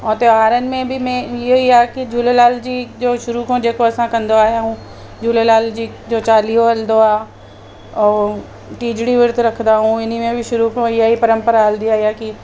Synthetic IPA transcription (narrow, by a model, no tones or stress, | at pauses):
ɔ̃ːt̪eʋaːɾənɪ̆mẽbʱimɛ̃ɪɦoiaːkid͡ʒʱuːlelaːld͡ʑid͡ʑoːʃʊɾukõd͡ʑeːkoɐsãkɐ̃nd̪oaːɦijaɦũ | d͡ʒʱuːlelaːld͡ʑiː | d͡ʑoːt͡ʃaːliːoɦɐld̪oaː | ɔː | ʈiːd͡ʒɽiʋɪɾt̪ʰɾɐkʰd̪aɦũɪnimẽbʱiʃʊɾukõɪjaipɐɾə̃mpəɾaɐld̪iaːijaːki